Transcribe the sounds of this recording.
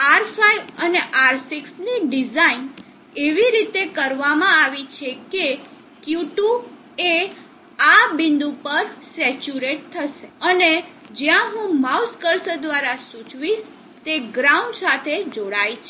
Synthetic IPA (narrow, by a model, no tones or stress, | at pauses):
aɾfajəneʔaɾsiksniɖizain | eʋiɾit̪ekəɾʋamãaʋit͡ʃʰeke | kjuʈu | e | abind̪upəɾsɛt͡ʃuɾeʈ̚t̪ʰəʃeəne | d͡ʒjãɦũmauskəɾsd̪ʋaɾasũt͡ʃʋiʃ | t̪eɡɾauɳɖsat̪ʰed͡ʒoɽajt͡ʃʰe